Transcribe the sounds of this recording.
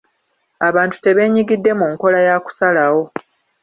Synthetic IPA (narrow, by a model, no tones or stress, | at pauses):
aβaːntu̥te̞βe̞ːɲiɡidːe̞muːŋko̞lajaːku̥salawo̞